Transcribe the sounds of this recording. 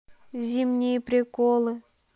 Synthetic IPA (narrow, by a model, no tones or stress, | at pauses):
zʲimnʲijəpɾʲikolˠɨ